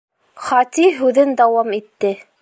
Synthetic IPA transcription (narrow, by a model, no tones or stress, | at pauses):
χɑt̪iɦʉðɘnd̪ɑwɑmit̪ːɘ